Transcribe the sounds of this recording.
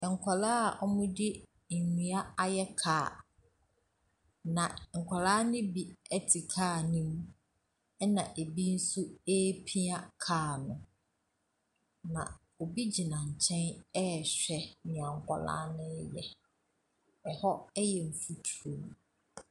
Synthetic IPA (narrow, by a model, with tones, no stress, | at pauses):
ŋ̩˨kʷʰɔ˨laː˦a˨ʔɔ˦mʊ̃˦dɪ˦ | n̩˨ɲĩ˨a˦a˨jɛ˦kʰaː˨ | nã˨ŋ̩˨kʰʷa˨la˦nɪ̃˦bi˨ɛ˦tʰi˨kʰaː˦˨nĩ˦m | ɛ˦nã˨ʔe˨bi˦n̩˦su˦e˦pʰĩ˦a˦kʰaː˦˨nʊ̰̃˨ | nã̰˨ | o˨bi˦d͡ʑi˨nã˨ɲ̩˨t͡ɕʰɛ̃˦nɛ˦˨ɕᶣɛ˨nɪ̃˨ã˨ŋ̩˨kʰʷɔ˨la̰ː˦nɪ̃˦jɛ˨ | ɛ˨hɔ˦ɛ˦jɛ˨ɱ̩˨fu˦tʰu˨ɾo˨m˨